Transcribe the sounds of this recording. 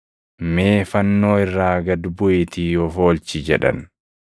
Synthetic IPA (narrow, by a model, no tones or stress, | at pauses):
me̞ːfɐnːo̞ːɪrːaːɡɐd̪bʊʔɪt̪ijofo̞ːlt͡ʃɪd͡ʒɛᶑɐ̰n